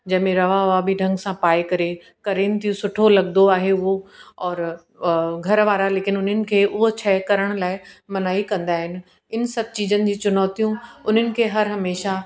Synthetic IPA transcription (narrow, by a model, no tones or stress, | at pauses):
d͡ʑɐ̃ɦɪ̃mẽɾɐʋaʋabʱiɖʱɐ̃ŋɡsãpaːekɐɾe | kɐɾeːnɪ̆t̪ʰijũsʊʈʰolɐɠ̚d̪oaːɦeʊɦoɔːɾ | ɡʱɐɾʋaːɾaleːkɪnʊn̤ənɪ̆kʰeːʔʊɦot͡ɕʰɐɦkɐɾəɽ̃laːɪmɐnaːikɐ̃nd̪aːɦɪnɪ̆ | ɪnsɐb̚ʱt͡ɕiːd͡ʑənɪ̆d͡ʑiːt͡ɕʊnɔːt̪ijũʊn̤ənɪ̆kʰeːɦɐɾɦɐmeːʃa